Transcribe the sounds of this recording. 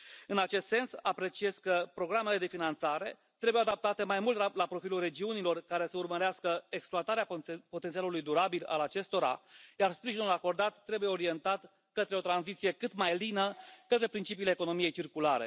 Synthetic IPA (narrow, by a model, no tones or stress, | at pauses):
ɨnat͡ʃe̞st̪se̞nsapɾe̞t͡ʃie̞skəpɾo̞ɡɾame̞le̞d̪e̞finant̪saɾe̞̰ | t̪ɾe̞bujead̪ap̚t̪at̪e̞majmult̪alapɾo̞filulre̞d͡ʒiunilo̞rkaɾe̞səurməɾeaskəe̞kspluat̪aɾeapot̪ent̪ialulujd̪uɾabila̰lat͡ʃe̞st̪o̞ɾa̰jarspɾiʒinulako̞rd̪at̪ːɾe̞buje̞o̞ɾije̞nt̪at̪ | kət̪ɾe̞o̞t̪ɾanzit̪sije̞kɨt̪majlinəkət̪ɾe̞pɾint͡ʃipiːleːko̞no̞mije̞jt͡ʃirkulaɾe̞̰